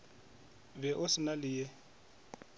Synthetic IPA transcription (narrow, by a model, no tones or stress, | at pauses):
bɛʔʊsɪnalɪje